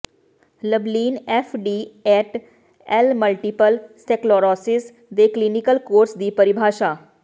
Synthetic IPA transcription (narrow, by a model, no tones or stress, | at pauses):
ləbliːnefʰɖiːɛːʈ | ɛlməlʈipəlseklɔːɾɔːsɪs | d̪eklinikəlkoːɾsd̪iːpɐɾibʱaːʃaː